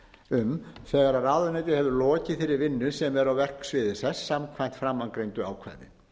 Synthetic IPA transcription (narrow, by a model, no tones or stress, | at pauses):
ʏmθɛːɣaɾaɾaːðʏnajt̪ɪhɛvðʏlɔːcɪθɪɾɪɾvɪnːʏsɛmɛɾawvɛr̥ksvɪːðɪsɛsːamkʰvajn̥t̪fɾamːaŋkɾejnt̪ʏa̰ːwkʰvɛ̰ðɪ̰